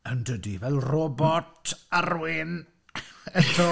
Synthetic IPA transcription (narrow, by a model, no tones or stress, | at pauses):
əndədivɛlˠrɔbɔtʰarwɪn | ətʰɔ